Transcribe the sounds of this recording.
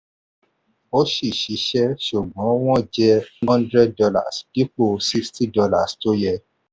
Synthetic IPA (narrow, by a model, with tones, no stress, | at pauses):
o˦ʃi˦˨ʃi˨˦ʃɛ˦ʃu˨ɡ͡bɔ̃˨˦w̃ɔ̃˦d͡ʒɛ˦hɔ̃˦ndɾɛ˦d̚dɔ˧la̰˦˨spi˦k͡po˦si˦ksti˦dɔ˧la˦˨sto˦jɛ˧